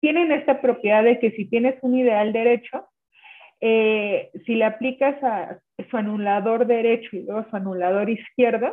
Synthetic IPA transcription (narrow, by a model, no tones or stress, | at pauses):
t̪je̞ne̞ne̞st̪apɾo̞pje̞ðaðeke̞sit̪je̞ne̞sunið̞e̞ald̪e̞ɾe̞t͡ʃo̞ | esile̞aplikasa | suanulaðo̞ɾðe̞ɾe̞t͡ʃo̞ilwe̞ɣoasuanulað̞o̞ɾiskje̞ɾðo